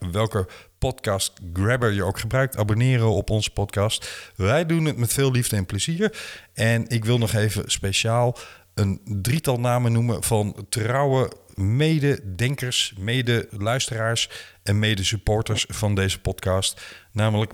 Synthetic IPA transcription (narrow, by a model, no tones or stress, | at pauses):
ʋɛlˠkəpɔtkɑːst̚ɡɹɛbəɹjəowkχəbrœɥk̚tabonɪːrənɔpɔnzə̥pɔtkɑːstʋɛjdunətmɛtfɪːlˠlivdəɛnpləziːɹʔɛnɪkʋɪlˠnɔχejvə̰spejʃaːlˠ | əndritɑlˠnaːmənumənv̥ɑntrɑwəmejdədɛŋkəɹsmejdəlœɥstəraːɹsʔɛnmejdəsypɔːɹtəɹsfɑndejzəpɔtkɑːstnaːmələk